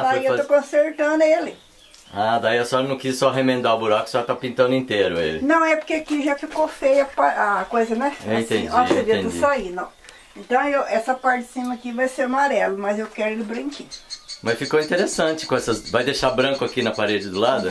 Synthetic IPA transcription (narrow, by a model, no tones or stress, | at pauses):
d̪aiewt̪okõseɾt̪ɐ̃nd̪ʊelɪ | ad̪aiɐsɔɾɐnɐ̃w̃kissɔɦemẽnd̪aʊbuɾakʊ̥sɔt̪apĩnt̪ɐ̃nd̪ʊĩt̪eɾʊ̰ḛlɪnɐ̃w̃ɛpoɾkeakiʒafikofejɐpaɾakojzɐnɛeĩt̪ẽɔseviɐ̃t̪ud͡ʒisainɐ̃w̃ | ẽnt̪ɐ̃w̃ewʔɛsɐpaɾt͡ʃɪɪsĩmɐkivajseɾamaɾɛlʊmɐzewkɛɾʊelɪbɾĩŋkimɐsfikoĩt̪eɾesɐ̃t͡ʃɪ̥kõɛsɐzvajd̪eʃabɾɐ̃kʊakinɐpaɾed͡ʒɪd̪ʊlad̪ʊ